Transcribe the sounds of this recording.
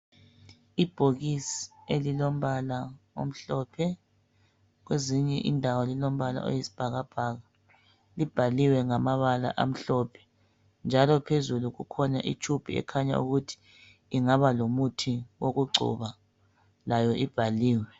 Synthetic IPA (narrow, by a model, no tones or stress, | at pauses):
ib̥ʱoɣisi̥elilom̩βalao̰m̩ɬɔːpʰɛ | ɣ̬weziɲɛʔḭndʱawɔlilom̩βala̰ʔo̰jisi̥b̥ʱaɣab̥ʱaːɣa | lib̥ʱaliwɛŋamaβala̰ʔa̰m̩ɬɔːpʰɛ̥ | nd͡ʒʱalɔpʰezuluɣukʰɔnaʔḭt͡ʃʰub̥ʱiɛ̰kʰaɲa̰ṵɣutʰi̥ː | ŋaβalomutʰiwoɣuɡ͡ǀʱṵβa | lajɔʔib̥ʱaliːwɛ